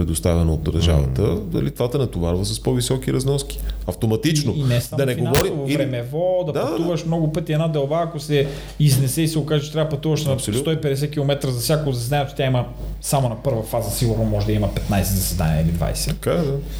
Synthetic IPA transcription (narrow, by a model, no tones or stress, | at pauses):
pɾɛd̪ost̪avɛnɐod̪ɐɾʒa̰vɐ̰t̪əd̪ɐ̰lit̪vat̪ənɐt̪ovaɾvəsɐspɔvisɔkiɾɐznɔski̥ɐft̪omɐt̪it͡ʃnoinnɛsamd̪ɐnɛfiɡonavɔɾisovoɾɛmɛvɔd̪ɐpd̪pɐuvɐʃmnɔɡʊpət̪ʲiɛd̪nad̪ɛlˠbaːkosɛ | iznɛsɛisɛokaʒɛt͡ʃɛ̥t̪ɾʲavpɐt̪uvɐʃnɐlut̪ɔipɛd̪ɛsɛkilˠomɛt̪ɾəzɐfsʲakozɐs̬ɛd̪anʲiɛt̪ot̪ʲaiməsamonɐpɤɾvɐfazɐsiɡʊɾnomɔʒɛd̪ɐimɐpɛt̪najsɛzɐsɛd̪a̰nʲiɛilid̪va̰jsɛ̥ɐkad̪a